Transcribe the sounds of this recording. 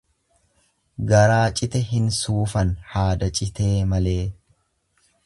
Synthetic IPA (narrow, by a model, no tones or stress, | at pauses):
ɡɐɾaːt͡ʃʼɪt̪ɛɦɪnsuːfɐnhaːd̪ɐt͡ʃʼɪt̪e̞ːmɐle̞ː